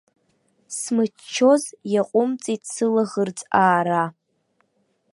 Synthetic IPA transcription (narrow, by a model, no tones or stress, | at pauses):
smɨ | t͡ʃʰːo̞zjaqʷʼʊmt͡sʼitʼʰsɨlaʁərt͡sʼaːɾa